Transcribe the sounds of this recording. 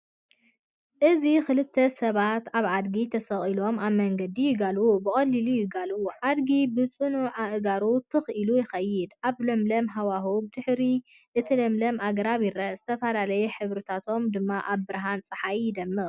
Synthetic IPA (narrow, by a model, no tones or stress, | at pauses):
ʔɨzixɨlɨt̪ʰːɐsɐβat̪aβad̪ɡit̪ʰɐsɐχʼilo̞maβmɐŋɡɐd̪ijɪɡalubɨχʼɐlːilujɪɡaluʕad̪ɡibɨt͡sʼɨnuʕaʔɨɡaɾut̪ʰɨxʔilujɪxɐjːɪd̪ʔaβlɐmlɐmɦawaɦubɨd̪ɨħɾi | ʔɨt̪ʰilɐmlɐmaɡɐɾaβɪɾɐz̥ɨt̪ʰɐfɐlalɐjuħɨβɾɨt̪ʰat̪ʰo̞md̪ɨmːaʔaβbɨɾɦant͡sʼɨħajɪd̪ɐmːɨ